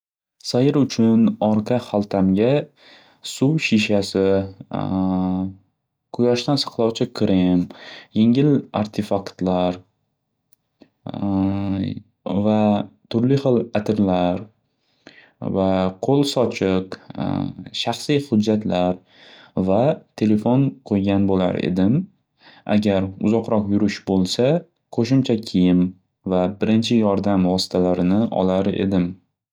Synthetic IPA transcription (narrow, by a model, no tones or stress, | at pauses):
sajɪɾʊt͡ʃʰʊnɒɾqʰɑχalˠt̪ʰamɡʲa | suwʃiʃasɪ | qʰʊjɒʃt̪ansɑ̥qʰlˠɒwt͡ʃʰɪkʲʰɾɪmjeŋɪla̰ɾt̪ʰefakt̪laɾ | vat̪ʰʊɾlɪχɨlˠat̪ʰɪɾlaɾ | vaqʰolˠsɒt͡ʃʰɪq | ʃaχsijhʊd͡ʒːat̪ʰlaɾ | vat̪ʰe̞le̞fonqʰojɡʲanbola̰ɾḛd̪ɪm | ʔa̰ɡʲaɾʊzɒqɾɒqjʊɾɪʃbolˠsa | kʰɵʃɪmt͡ʃʰakʲʰijɪm | vabɪɾɪnt͡ʃʰɪjɒɾd̪amvɒsɪ̥t̪ʰalaɾɪnɪʔɒ̰laɾḛd̪ɪm